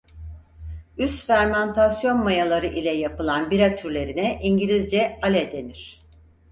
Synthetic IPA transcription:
yst̪fæɾmant̪ʰasjo̞nmajalˠaɾɯʔilʲɛjapɯlˠanbiɾat̪ʰyɾlʲe̞ɾinɛʔiɲɟilʲizd͡ʒɛalʲɛd̪e̞niɾ̥

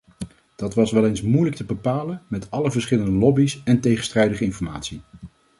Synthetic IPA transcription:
d̥ɑtʋɑsʋɛlejnsmujlək̚təbəpaːlənmɛtɑləvəɹsχɪləndəlɔbisɛntejχənstrɛjdəχəɪnfɔɹma̰ːtsi

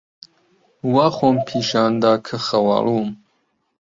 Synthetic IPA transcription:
waːxoːmpʰiːʃaːnd̪aːkʰɨxɐwɑ̰lum

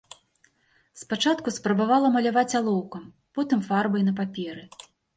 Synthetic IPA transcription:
spat͡ʂat̪kuspɾɐbavalˠɐmɐlʲavat͡sʲalˠɔwkɐm | pɔt̪ɨmfarbɐjnɐp̬apʲɛɾɨ

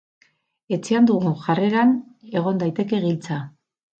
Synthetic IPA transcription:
e̞t͡seand̪uɣuʝareɾane̞ɣ̞o̞nd̪ajt̪e̞ke̞ɣilt͡sa

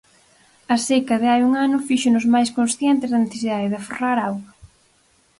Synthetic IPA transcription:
ɐsekɐðɪajuŋanʊfiʃʊnʊzmajskonsθjɛnt̪ɪzðɐneθesiðaðɪðaforaɾawɣa

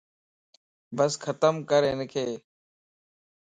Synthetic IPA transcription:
bəskʰət̪əmkəɾeːnəkʰeː

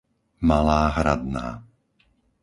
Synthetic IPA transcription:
malaːɦɾad̪na̰ː

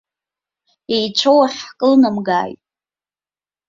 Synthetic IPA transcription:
ejt͡ʃʷʰowaħkʼɨlnamɡa̰ːjtʼ

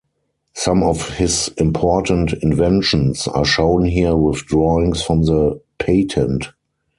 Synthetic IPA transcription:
sãmɔfhɪsɪ̃mpʰɔtə̃ntɪ̃nvɛ̃nʃə̃nsa̰ːʃõʊ̃nɦiəwɪθdɹɔɪ̃ŋsfɹɔ̃mðəpʰeɪtʰɛ̃nt

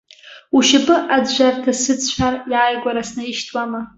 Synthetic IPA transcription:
uʃabɨʔad͡zʒʷartʰasɨt͡st͡ɕʷʰarjajɡʷʼaɾasnɨiʃtʰʼwama

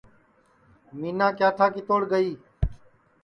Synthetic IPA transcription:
miːnãːkjaːt̪ʰaːkit̪oːɽɡəiː

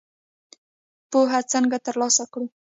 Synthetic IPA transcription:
poɦat͡səŋɡat̪əɾlɑsakɽu

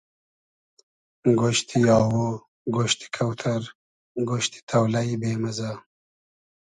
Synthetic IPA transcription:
ɡoʃt̪ʰijɑːwo | ɡoʃt̪i̥kʰawt̪ʰaɾ | ɡoʃt̪i̥t̪ʰɐwlaibeːmɐza

